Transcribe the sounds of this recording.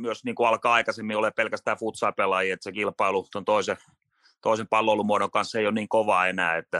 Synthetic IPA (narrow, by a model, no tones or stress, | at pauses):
yosniːŋkuɑlkɑːɑikɑsemːiolepelkæst̪æːfut̪sɑːpelɑjiet̪sekilpɑilut̪ont̪oˑise | t̪oˑisempɑlːoilumuoɾoŋkɑnsːeionniːŋkoʋɑːenæ̰ːet̪ːæ